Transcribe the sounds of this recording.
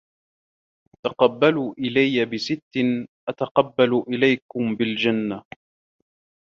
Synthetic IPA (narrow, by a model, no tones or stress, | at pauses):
t̪aqɑbːaluːʔɪlajːabɪsɪt̪ːɪnʔat̪aqɑbːaluːʔɪlajkʊmbɪld͡ʒanːa